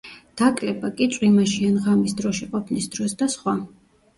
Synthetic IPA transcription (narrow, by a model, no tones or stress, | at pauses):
d̪̥akʼlɛbakʼit̪t͡ʃʼwimaʃianʁamisd̪ɾɔʃiqʼɔpʰnisd̪ɾɔsd̪asχwa